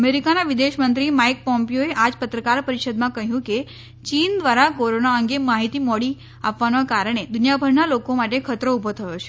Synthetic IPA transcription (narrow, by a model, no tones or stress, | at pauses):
əmeɾikanaʋid̪eʃmənt̪ɾimaik̚pɔmpijoeʔad͡ʒpət̪ɾəkaɾpəɾiʃəd̪mãkəɦjũke | t͡ʃind̪ʋaɾakoɾonaəŋɡemaɦit̪imɔɽi | apʋanakaɾəɳ̃ed̪ʊnjabʱəɾnalokomaʈekʰət̪ɾoubʱot̪ʰəjot͡ʃʰe̥